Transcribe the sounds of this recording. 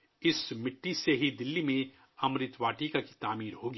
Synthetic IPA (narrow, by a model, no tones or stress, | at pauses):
ɪsmɪʈːiseɦid̪ɪlːimẽ | ɐmɾɪt̪ʋaːʈikaki̥t̪aːmiːɾɦoːɡiː